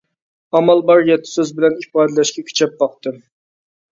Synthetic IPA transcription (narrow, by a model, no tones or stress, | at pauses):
ɑmɑlˠbɑɾjɛt̪ʰːɪ̥søzbɪlɛnifɑːd̪ɛlɛʃkʲɛkʲʰy̥t͡ʃʰɛp̚bɑq̚t̪ɨm